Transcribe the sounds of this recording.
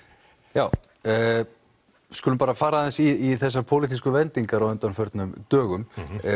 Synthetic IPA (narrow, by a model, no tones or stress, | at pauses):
jaːw | skʏːlʏmpaːɾafaːɾaðɛnsiiθɛsːapʰowlit̪iskʏvɛnt̪iŋkaɾaðɛnt̪anfœɾt̪nʏmt̪œːɣʏm